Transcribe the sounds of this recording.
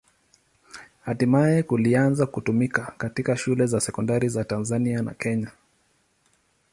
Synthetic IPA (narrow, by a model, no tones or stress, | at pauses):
hatimajɛkulianzakutumikakatikaʃulɛzasɛkɔndaɾizatanzaniana̰kɛɲa